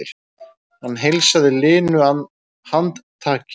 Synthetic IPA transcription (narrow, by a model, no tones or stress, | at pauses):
ɪɾ̥ | hanːɦejlsaðɪlɪːnʏan | hant̪t̪ʰaːc